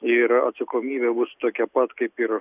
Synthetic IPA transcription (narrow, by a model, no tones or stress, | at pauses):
ɪɾɐ̰t̪sɐkoːmʲiːbʲɛbʊst̪oːkʲɛpɐt̪kɐɪpɪɾ